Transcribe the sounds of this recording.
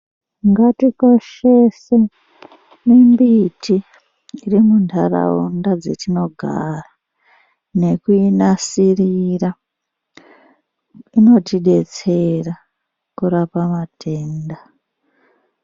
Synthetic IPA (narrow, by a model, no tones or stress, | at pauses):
ŋɡatiko̞ʃe̞se | mimbitʰiː | rimuntʰara̰undad͡zetino̞ɡʱa̰ra | ne̞kuinasirira | ino̞tiɗe̞t͡se̞ra | kuɾapamatʰe̞ːnda